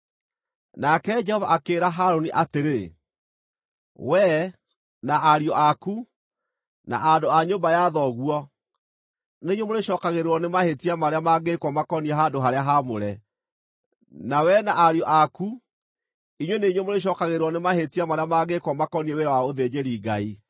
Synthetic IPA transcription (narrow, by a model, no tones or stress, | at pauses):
nakɛd͡ʒɛhɔvaʔakeːɾaɦaɾoniʔateɾe | wɛ | naʔaɾiɔʔaku | na̰ʔadoaɲombajaðɔɣwɔ | neiɲwemoɾeʃɔːkaɣeɾeɾwɔnemahetiamaɾeamaɡekwɔmakɔniɛɦadoɦaɾeaɦamoɾɛ | nawɛnaʔaɾjɔʔaku | iɲweneiɲwemoɾeʃ̬ɔːkaɣeɾeɾwɔnemahetamaɾeamaɡekwɔmakɔnieweɾawaoðed͡ʑeɾiɡai